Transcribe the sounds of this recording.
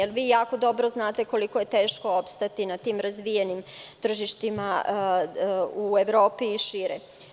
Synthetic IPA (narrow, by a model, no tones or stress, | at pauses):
elʋiːjaːko̞d̪o̞bɾo̞znaːt̪eko̞liko̞je̞t̪eːʃko̞opst̪at̪inat̪iːmɾazʋijenimt̪r̩ʒiʃt̪ima | ueʋɾo̞ːpiːʃiɾɛ